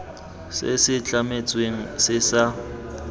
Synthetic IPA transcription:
sɪ̰sɪt͡ɬʼamet͡sʼweŋ̩sɪsa

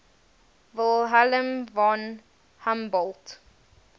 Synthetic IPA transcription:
vɪlˠɦalə̃mvɔ̃n | hãmbɔlˠt

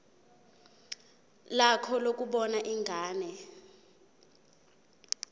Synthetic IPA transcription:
lakʰɔlok̬ʼuɓɔnaʔiŋʱaːnɛ

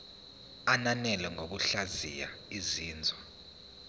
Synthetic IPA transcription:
ananɛlɛŋʱok̬uɬazḭja̰iziːnd͡zʱwa

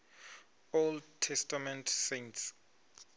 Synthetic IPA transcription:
oldtʰːɛstamɛ̃ntʰsẽnts

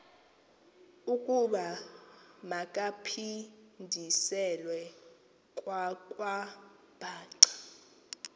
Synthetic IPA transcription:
ukʼuɓa | makʼapʰindʱisɛlwɛ | kʼwakʼwa | b̥ʱaːǀḁ

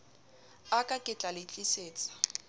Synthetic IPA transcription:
akʼakʼɪt͡ɬʼalɪt͡ɬʼiseːt͡sʼḁ

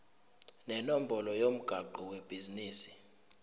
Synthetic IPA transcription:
nɛnom̩bʱɔlɔjom̩ɡ̥ʱaǃuweb̥ʱiziniːsi̥

